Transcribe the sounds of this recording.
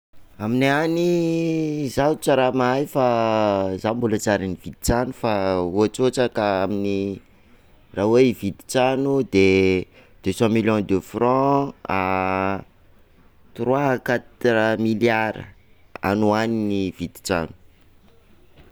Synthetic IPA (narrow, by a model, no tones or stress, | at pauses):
aminiani | zaut͡saɾamajfa | zambulat͡saɾinivit̪i̥t͡sanufauat͡sot͡sakəamini | raweivid̪i̥t͡sanud̪e | d̪̥øsɔ̃miljɔ̃d̪øfrɔ̃a | t̪urwaɦakat̪ɾamiljaɾə̰ | a̰nuaniniv̥id̪i̥t͡sa̰nu̥